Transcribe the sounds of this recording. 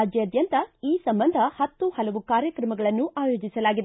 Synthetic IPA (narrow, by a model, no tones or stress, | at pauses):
ad͡ʒjɐɐd̪jɐnt̪ɐiːsɐmbɐnd̪ʱɐhɐt̪ːuhɐlɐʋukaːɾjɐkɾɐmɐɡɐɭɐnːuʔaːjo̞ːd͡ʒisɐlaːɡid̪e